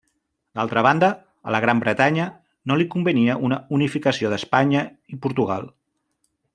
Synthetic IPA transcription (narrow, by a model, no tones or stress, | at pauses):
d̪alˠt̪ɾəβ̞and̪ə | ə̰ləɣ̞ɾambɾət̪aɲə | nolikumbəniəʔunəunifikəsioðəspaɲə | ipuɾt̪uɣa̰lˠ